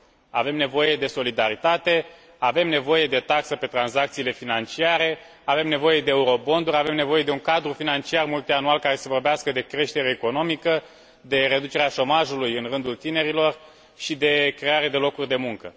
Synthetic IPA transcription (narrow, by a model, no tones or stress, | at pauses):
ave̞mne̞vo̞je̞d̪e̞so̞lid̪aɾit̪at̪e̞ | ave̞mne̞vo̞je̞d̪e̞t̪aksəpe̞t̪ɾanzak̚t̪sile̞finant͡ʃiaɾe̞ | ave̞mne̞vo̞je̞d̪e̞ːuɾo̞bo̞nd̪uɾʲave̞mne̞vo̞je̞d̪e̞uŋkad̪ɾufinant͡ʃiarmult̪ianualkaɾe̞se̞vo̞rbeaskəd̪e̞kɾe̞ʃt̪e̞ɾeːko̞no̞mikə | d̪e̞ɾe̞d̪ut͡ʃe̞ɾeaʃo̞maʒulujɨnrɨnd̪ult̪ine̞ɾilo̞r | ʃid̪e̞kɾe̞aɾad̪e̞lo̞kurʲd̪e̞muŋkə